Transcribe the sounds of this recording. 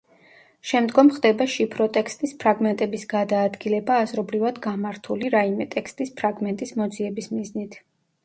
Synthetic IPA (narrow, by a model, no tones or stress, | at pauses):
ʃɛmd̪ɡɔmχd̪ɛbaʃipʰɾɔt̪ʼɛkst̪ʼispʰɾaɡmɛnt̪ʼɛbisɡ̥ad̪aːd̪ɡilɛbaːzɾɔbɾivad̪ɡamaɾt̪ʰuliɾaimɛt̪ʼɛkʰst̪ʼispʰɾaɡmɛnt̪ʼismɔd̪ziɛbismiznit̪ʰ